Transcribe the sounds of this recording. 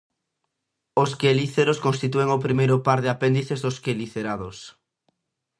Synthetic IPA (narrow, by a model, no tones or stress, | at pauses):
oskeliθeɾoskõnst̪it̪ueŋopɾimejɾopaɾðɪapend̪iθezðoskeliθeɾaðos